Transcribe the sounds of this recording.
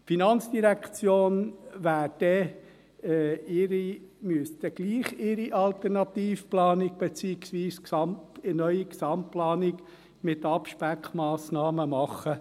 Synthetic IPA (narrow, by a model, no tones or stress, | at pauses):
finɑnt͡sd̥̪iɾækt͡sjoːnʋæːɾd̥ɛ | ɛɪɾimyəst̪əɡ̥liːχɪɾiʔɑlt̪ɛɾnɑt̪iːfplɑːnɪɡ̚b̥et͡siːɪksʋiːsksɑmtənœʏiksɑmplɑːnɪɡ | mɪt̪ɑpʃpækʰmɑːsnɑːməmɑχːə